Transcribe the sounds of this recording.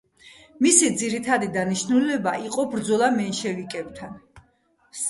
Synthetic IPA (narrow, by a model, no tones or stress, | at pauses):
misid̪ziɾit̪ʰad̪id̪aniʃnulɛbaʔiqʼɔbɾd̪zɔlˠamɛnʃɛvikʼɛb̚t̪ʰan